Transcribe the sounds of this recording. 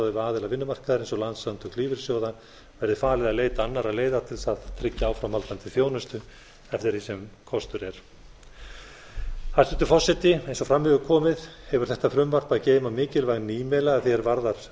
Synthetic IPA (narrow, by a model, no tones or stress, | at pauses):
ðɪvɪaːðɪlavɪnːʏmar̥kaðʏɾejnsɔlant̪sant̪ʏkʰliːvɪɾ̥sjoːwða | vɛɾðɪfaːlɪðaðleːjt̪aanːaɾaðleːjðat̪ʰɪlsaðt̪ʰɾɪcːaaːwfɾamhalt̪ant̪ɪfjoːwnʏst̪ʏ | ɛft̪ɪɾisɛmkʰɔst̪ʏɾɛɾ̥ | haɾst̪ʏnt̪ʏ̥fɔsːɛt̪ɪejnsɔfɾamhʏvʏkʰɔːmɪðhɛvʏɾ̥θɛht̪afɾʏmvar̥paðceːjmamɪːcɪlvaɣnːiːmɛlaɣaðθjɛɾvaɾðaɾ̥